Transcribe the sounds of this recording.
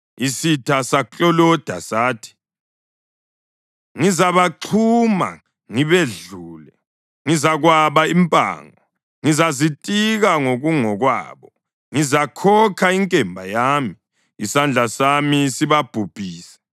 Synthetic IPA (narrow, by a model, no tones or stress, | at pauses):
isitʰasat͡ɬʼɔlɔd̥ʱasaːtʰi̥ | ŋizaβaǃʰuma̰ | ŋiβeɮuːlɛ | ŋizaɣwaβaimpʼa̰ːŋɔ | ŋizazitʼiɣaŋoɣuŋɔɣwa̰ːβɔ | ŋizakʰɔkʰaiŋkʼɛmbʱajaːmiː | sand͡ɮʱasamisiβab̥ʱub̥ʱiːsɛ̥